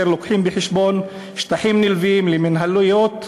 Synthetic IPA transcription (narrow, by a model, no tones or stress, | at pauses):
eɾlokħimbeħeʃbon | ʃt̪aħimnilviimleminɦalujot̪